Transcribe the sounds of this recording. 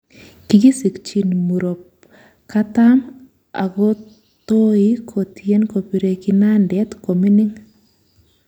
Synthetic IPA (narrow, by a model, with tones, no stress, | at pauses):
ki˨ɡi˦si˨kt͡ʃi˨nmu˨ɾo˨p̚ | ka˦tam | a̰˨ɡo˦ | t̪o˦i˦kʰo˨tjɛ˦nko˨pi˨ɾe˨kina˦ndɛ˦t̪ko˨mi˦ni˦ŋ